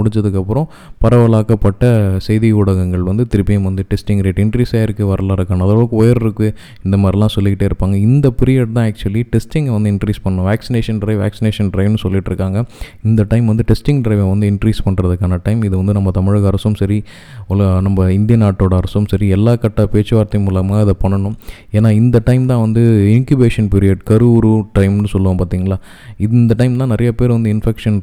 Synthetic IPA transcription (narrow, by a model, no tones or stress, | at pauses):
ʊɽɪɲt͡ʃd͡ʒɐðɯkːɐpːɯɾɔ̃ | pɐɾɐʋɐɭaːkɐpːɐʈːɐsɛɪðiʊɽɐɣɐŋɡɐɭʋɐnd̪ɯt̪ɪɾɯpːɪjɐmʋɐnd̪ɯʈɛsʈɪŋɡɾeːʈɪɳʈɾiːsaːɪɾɯkːɯʋɐɾɐlaːɪɾɯkːaːnɐðɐʋɯkːɯɔjɐɾɪɾɯkːɯ | ɪnd̪ɐmaːd̪ɾilãːsɔlːɪkːɪʈːeːɪɾɯpːaːŋɡɐɪnd̪ɐpɪɾɪjɐʈt̪ãːaːk̚t͡ʃʊɐliʈɛsʈɪŋɡʋɐnd̪ɯɪɳʈɾiːspɐɳːʊ̃ʋæːksɪneːʂɐnɖɪɾɐɪʋa̰ːksɪneːʂɐnɖɾɐɪʋnːɯsɔlːɪʈːɪɾɯkːaːŋɡɐ | ɪnd̪ɐʈɐɪmʋɐnd̪ɯʈɛsʈɪ̃ŋɡɖɪɾɐɪʋɛ̃ʋɐnd̪ɯɪɳʈɾiːspɐɳːɾɐðɯkːaːnɐʈɐɪmɪðɯʋɐnd̪ɯnɐmːɐt̪ɐmɪɻɣɐɐɾɐsɯmsɐɾi | ʊlɐnɐmbɐɪnd̪ɪjɐnaːʈːoːɽɐɐɾɐsɯmsɐɾiɛlːaːkɐʈːɐpeːt͡ʃːɯʋaːɾt̪ːɐmuːlɐmaːɪðɐpɐɳːɐɳʊ̃m | eːnːaːɪnd̪ɐʈɐɪmt̪ãːʋɐnd̪ɯɪŋkjʊbeːʂɐnpɪɾɪjɐːɖkɐɾɯɾuʈɾɐɪmnɯsɔlːɐʋɐ̃paːt̪iːŋɡɐlaː | ɪðnd̪ɐʈɐɪmt̪ãːnɪɾʔɐjɐpeːɾʋɐnd̪ɯɪnfɛkʂɐn